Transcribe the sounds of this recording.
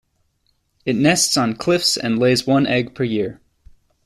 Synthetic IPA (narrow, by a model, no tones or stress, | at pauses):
ɨtⁿnɛstsn̩kʰl̥ɪfsɨ̰̃nleɪzwʌ̃nʔɛɡ̚pʰə˞jɪɹ